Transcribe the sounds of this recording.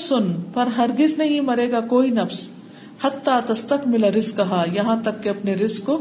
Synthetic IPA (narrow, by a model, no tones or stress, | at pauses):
sʊnpɐɾɦɐɾɡɪznɐɦĩmɐɾeːɡakoːinɐfs | hɐt̪ːat̪ɐst̪ɐkmɪlaɾɪskːɐɦajɐɦãt̪ɐkːeɐpneɾɪskːo